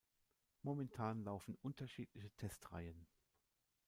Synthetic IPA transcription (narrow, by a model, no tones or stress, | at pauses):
momɛntʰaːnlaʊfn̩ʔʊntʰɐʃiːtlɪçətʰɛstʁa̰ɪən